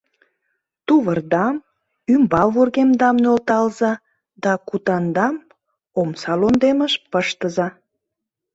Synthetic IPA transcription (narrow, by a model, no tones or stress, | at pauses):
t̪uβərd̪ɑm | ymbɑβurɣemd̪ɑmnølt̪ɑlzɑ | d̪ɑkut̪ɑnd̪ɑm | omsɑlond̪eməʃpəʃt̪əzɑ